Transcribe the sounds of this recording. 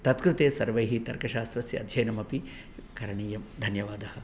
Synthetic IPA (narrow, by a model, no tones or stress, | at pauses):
t̪ɐt̪kɾɪt̪eːsɐɾʋɐjɦit̪ɐɾkɐʃaːst̪ɾɐsjɐɐ̰d̪ʱjɐjnɐmɐpi | kɐɾɐɳiːjɐmd̪ʱɐnjɐʋaːd̪ɐhɐ̆